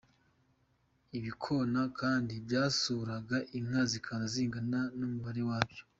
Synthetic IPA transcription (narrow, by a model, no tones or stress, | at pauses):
iβikʰo̞nakʰaːndibɟaːsuːɾaɡaʔiŋ̥azikʰanaziːŋɡananumuβaɾe̞waːbjo